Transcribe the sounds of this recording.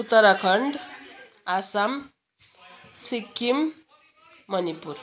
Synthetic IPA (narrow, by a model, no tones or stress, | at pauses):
ut̪ːʌɾakʰʌɳɖ | asam | sikːimː | ʌnipuɾ